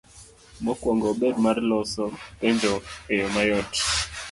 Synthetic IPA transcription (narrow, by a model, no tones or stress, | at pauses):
mɔkwɔŋɡɔɓɛd̚maɾlɔsɔpɛndɔejɔmajɔt